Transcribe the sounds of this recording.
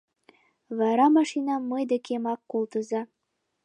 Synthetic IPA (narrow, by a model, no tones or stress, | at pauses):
βɑɾɑmɑʃinɑməjd̪ekemɑkːolˠt̪əzɑ